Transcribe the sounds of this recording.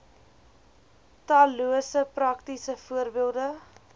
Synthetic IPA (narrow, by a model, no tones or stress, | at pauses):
tɑːluəsəprɐktisəfuərbiəlˠdə